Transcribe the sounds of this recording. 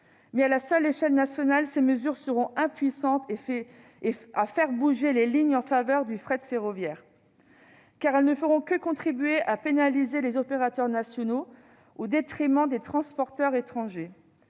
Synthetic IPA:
mɛalasœleʃɛlnasjɔnalseməzyʁsəʁɔ̃ɛ̃pɥisɑ̃t̪ | afɛʁbuʒeleliɲɑ̃favœʁd̪yfχɛt̪feʁɔvjɛːʁ | kaʁɛlnəfəʁɔ̃kəkɔ̃t̪χibɥeʔapenalizelezɔpeʁat̪œʁnasjɔno | od̪et̪χimɑ̃d̪et̪χɑ̃spɔʁt̪œʁet̪χɑ̃ʒe

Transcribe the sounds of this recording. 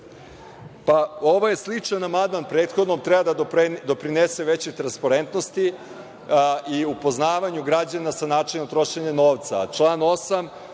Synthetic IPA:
pao̞ʋoje̞slˠit͡ʂnanamad̪manpɾeːt̪xo̞d̪nomt̪ɾebad̪ad̪o̞pɾinese̞ʋet͡ɕet̪ɾanspaɾe̞nt̪no̞st̪i | iupo̞znaːʋaɲuɡɾad͡ʑanasanaːt͡ʂenomt̪ɾo̞ʃeɲeno̞ːʋt̪sa̰t͡ʂlˠaːno̞sam

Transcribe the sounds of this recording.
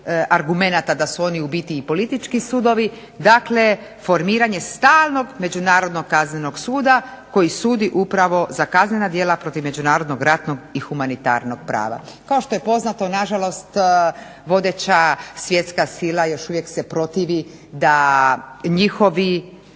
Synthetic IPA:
aɾɡume̞nat̪ad̪asuo̞niubit̪iːpo̞lit̪it͡ʃkisud̪o̞ʋi | d̪akle̞ | fo̞ɾmiːɾaɲe̞st̪aːlˠno̞ɡme̞d͡ʑunaːɾo̞d̪no̞ɡkːazneno̞ɡsuːd̪a | ko̞jisuːd̪iʔupɾaʋo̞zakaznenad̪je̞ːlapɾo̞t̪iʋme̞d͡ʒunaːɾo̞d̪no̞ɡɾat̪no̞ɡixumanit̪a̰ɾno̞ɡ̥pɾa̰ːʋa̰kao̞ʃt̪o̞je̞po̞znat̪o̞naʒalo̞st̪ | ʋo̞d̪et͡ɕasʋje̞t̪skasilˠajo̞ʃuʋjekse̞pɾo̞t̪iʋi | d̪a | ɲixo̞ʋi

